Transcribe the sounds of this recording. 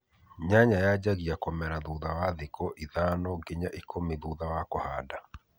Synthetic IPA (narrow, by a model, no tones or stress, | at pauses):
ɲaɲajad͡ʒaɣiakɔmɛɾaðuðawaðɪkʰɔʔiðanɔɡeɲaʔikʰomiðuðawakɔhada